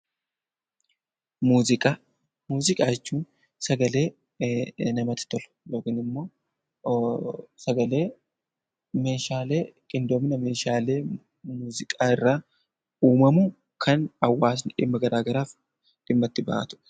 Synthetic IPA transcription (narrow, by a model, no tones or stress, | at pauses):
muːzɪkʼa | muːzɪkʼaːd͡ʒɛt͡ʃːuːn | sɐɡɐle̞ː | nɐmɐt̪ɪ̥t̪ɔlʊ̥loːɡɪnɪmːo̞ː | sɐɡɐle̞ː | me̞ːʃaːle̞ːkʼɪnd̪oːmɪnɐme̞ːʃaːle̞ː | muːzɪkʼaːɪrːaː | uːmɐmʊ | kʰɐnɐwːaːs̬nᶑɪ̰mːɐɡɐɾaːɡɐɾaːf | ᶑ̥ɪmːɐt̪ːɪba̰ːt̪ʊ̥ʔɛ̥